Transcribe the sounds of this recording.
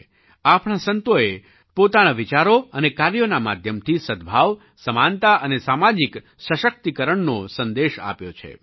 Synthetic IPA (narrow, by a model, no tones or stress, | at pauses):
apɳasənt̪oe | pot̪anaʋit͡ʃaɾoənekaɾjonama̰d̪ʱjəmt̪ʰisəd̪̚bʱaʋ | səmant̪aʔənesamad͡ʒik | ʃəʃək̚t̪ikəɾəɳnosənd̪eʃa̰pjot͡ʃʰḛ